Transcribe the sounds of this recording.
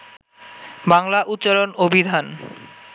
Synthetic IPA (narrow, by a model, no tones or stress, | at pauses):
baŋlaʔut̪ːɕalonobʱid̪ʱan